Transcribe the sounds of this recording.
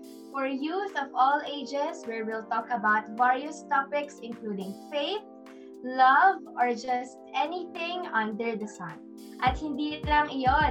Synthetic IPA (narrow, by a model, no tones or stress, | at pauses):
fɔɹjusɔvɔleɪd͡ʒɛswɪɹwɪlt̪ɔkɐbaʊt̪vaɹjəst̪ɔpɪksɪ̃nkluːd̪ɪ̃ŋfeɪθ | lʌv | ɔɹd͡ʒɐst̪̚ɛniθɪ̃ŋɔ̃nd̪ɛɹd̪ɛsãn | ʔɐt̪̚hɪ̃nd̪iːɪt̪laŋɪjɔ